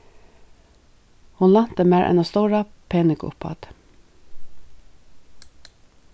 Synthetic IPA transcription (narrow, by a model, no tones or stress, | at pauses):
hʊnlɑn̥t̪əmæːɹʔɛ̰nast̪ɔʊɾapʰeːnɪkʊ̰phɑ̰t̪